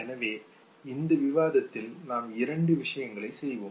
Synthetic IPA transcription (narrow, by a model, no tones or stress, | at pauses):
ɛnɐʋeː | ɪnd̪ɐʋɪʋaːðɐt̪ːɪlnaːmɪɾɐɳɖɯʋɪʂɐjɐŋɡɐɭɐɪsɛjʋoː